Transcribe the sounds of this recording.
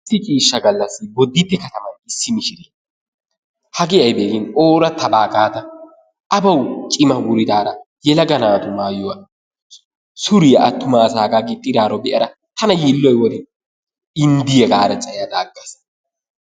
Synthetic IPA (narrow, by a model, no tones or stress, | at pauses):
sːɪt͡ʃʼiːʃːɐɡɐlːɐsːɪbɔd̪ːɪpːɛkɐt̪ɐmɐnɪsːɪmɪʃɪɾiː | hɐɡɪjɐjbeːɡɪnoːɾɐt̪ʰɐbaːɡaːd̪ɐ | ʔɐbɐwt͡ʃʼɪmɐwʊɾɪd̪aːɾɐ | jɛlɐɡɐnaːt̪ʊmaːjʊwɐ | sʊɾɪjɐʔɐt̪ːʊmaːsaːɡaːɡɪt̪ʼːɪɾaːɾɔbɛʔɐɾɐ | t̪ʰɐnɐjilːɔjwɔd̪ɛn | ɪnd̪ɪjɛɡaːɾɐt͡sʼɐjjad̪aːɡːɐs